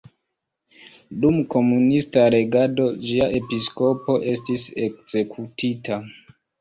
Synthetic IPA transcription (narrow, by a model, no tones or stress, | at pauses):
dumko̞munistaɾe̞ɡado̞d͡ʒiaʔe̞pisko̞po̞ʔe̞stise̞kz̥e̞kʰutʰita